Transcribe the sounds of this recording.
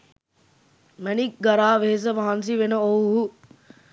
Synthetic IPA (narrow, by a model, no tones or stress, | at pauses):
mɛnik̚ɡɐɾaːʋeɦes̬əʋɐɦɐns̬iʋenəowuɦu